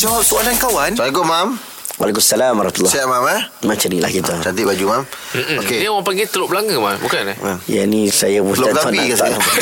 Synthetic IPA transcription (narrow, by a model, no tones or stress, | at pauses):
t͡ʃat̪uandankawansaaɡomam | wa̰lak̬umsalambaɾmat̪ulːˠɔsaaʔmamamat͡ʃənila̰hkit̪at͡ʃant̪iʔbad͡ʒumamokeniwapaŋɡit̪əlʊʔbəlaŋəmambukanɛaja̰nisajabulaanakat̪a̰a